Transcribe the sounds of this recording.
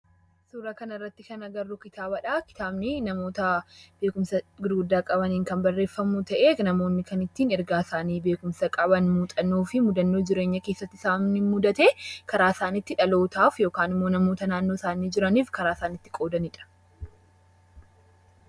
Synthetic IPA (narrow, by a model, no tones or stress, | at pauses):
suːɾaːkɐnɐrːɐt̪ːɪkɐnɐɡɐrːʊkɪt̪aːbɐᶑaːkɪ̥t̪aːbnɪnɐmo̞ːt̪ɐbe̞ːkʊmsɐɡɪɾɡʊd̪ːaːkʼɐbɐniːŋkɐnbɐrːe̞ːfːɐmuːt̪ɐʔeːnɐmo̞ːnːɪkɐnɪt̪ːiːnɛɾɡaːsaːniːbe̞ːkʊmsɐkʼɐbɐnmuːt̪ʼɐnːoːfɪmʊd̪ɐnːoːd͡ʒɪɾe̞ːɲːɐke̞ːsːɐt̪ːɪ̥saːnnɪmʊd̪ɐt̪e̞ːkɐɾaːsaːnɪt̪ːɪᶑɐlo̞ːt̪aːfjo̞ːkaːnɪmːo̞ːnɐmo̞ːt̪ɐnaːnːo̞ːsaːniːd͡ʒɪɾɐniːfkɐɾaːsaːnɪt̪ːɪ̥kʼo̞ːd̪ɐnɪᶑɐ̥